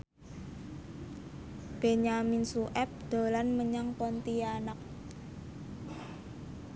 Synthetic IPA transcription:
b̥eɲaminsuʔɛp̚d̪̥o̤lanməɲaŋpɔnt̪ianak̚

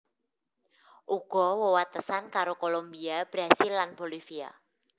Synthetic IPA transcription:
ʔuɡ̥ɔwowat̪əsankaɾokolombiab̥ɾasɪlːanb̥olifia̰

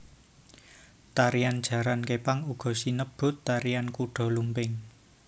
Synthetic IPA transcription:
t̪aɾijand̥ʒ̥ä̤ɾankepaŋuɡ̥ɔ̤sinəb̥ʊ̤t̪ːaɾijankuɖ̥ɔ̤lumpɪŋ

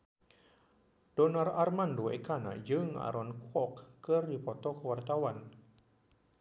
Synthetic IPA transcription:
d̥onararmandoḛkana̰d͡ʒɨŋa̰ɾɔnkwɔkːɨrdipɔt̪ɔkəwart̪awan

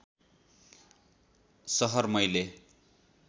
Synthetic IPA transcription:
sʌɦʌrmʌjle

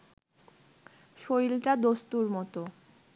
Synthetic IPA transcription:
ʃoilʈad̪ost̪uɾmɔt̪o

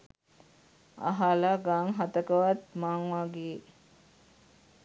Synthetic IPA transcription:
a̰ɦalaɡaŋɦat̪əkəʋat̪maŋʋaɡeː

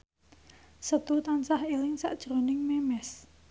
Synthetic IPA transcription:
sət̪uht̪ansahelɪŋsa̰ʔd̥ʒ̥ɾonɪŋmemɛs

